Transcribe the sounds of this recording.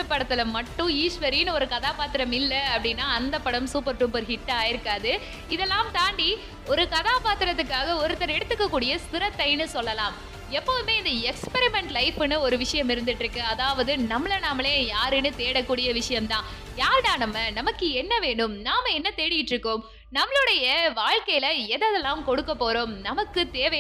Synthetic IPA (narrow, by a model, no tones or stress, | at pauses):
ɐpːɐɽɐt̪ːɪlɐmɐʈːʊ̃iːʂʋɐɾɪnɔɾɯkɐðaːpaːt̪ːɪɾɐmɪlːɐɐpːɐɽɪnːaːɐnd̪ɐpːɐɽɐmsuːpɐɾʈːɯmpɔɾɯɦɪʈːaːjɪɾɯkːaːðɯ | ɪðɛlːaːmt̪aːɳɖi | ɔɾɯkɐðaːpaːt̪ɪɾɐt̪ːɯkːaːɣɐɔɾɯt̪ːɐɾɐɛɽɯt̪ːɯkːɐkːuːɽɪjɐsɪɾɐt̪ːɐɪnɯsɔlːɐlãːm | ɛpːoːðɯmeːɪnd̪ɐɛkspɛɾɪmɛɳʈlɐɪpːɯnɯɔɾɯʋɪʂɐjɐmɪɾɯnd̪ɪʈːɾɯkːɯɐðaːʋɐðɯnɐmːɐɭɐnɐmːɐɭeːjaːɾɯnɯt̪eːɽɐkːuːɽɪjɐʋɪʂɐjɐmt̪ãː | jaːɾðaːnɐmːɐnɐmɐkːɯɛnːɐʋeːɳɖɯmnaːmɐɛnːɐt̪ɛːɽɪjɪʈːɾɯkːɯm | nɐmːɐɭɯɽɐjɐʋaːɻkɐjɪlɐɛðɐðɛlːaːmkɔɽɯkːɐpːoːɾoːmnɐmɐkːɯt̪eːʋɛ